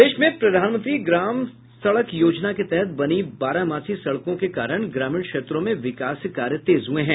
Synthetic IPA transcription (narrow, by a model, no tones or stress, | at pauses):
d̪eːʃmẽpɾɐd̪ʱaːnmə̃nt̪ɾiɡɾaːm | sɐɭəkjoːd͡ʒnaket̪ɛɦɛt̪̚bɐnibaːɾamaːsʰisɐɭkõkekaːɾəɽ̃ɡɾaːmɪːɳ̃kʃeːt̪ɾõmẽʋɪkaːskaːɾjət̪eːzɦueɦɛ̃ː